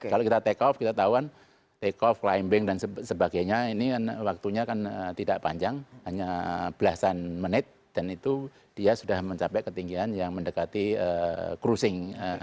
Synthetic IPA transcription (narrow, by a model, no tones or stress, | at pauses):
kalokit̪at̪ekɔfkit̪at̪auan | t̪ekɔfklaimbɪŋdansəsəbaɡajɲainianwak̚t̪uɲakanət̪idaʔpaɲd͡ʒaŋhaɲab̥əlasanmənɪt̪̚d̥anit̪u | d̥iasudahməɲt͡ʃapɛkət̪iŋɡianjaŋməndəkat̪iəkɾusɪŋə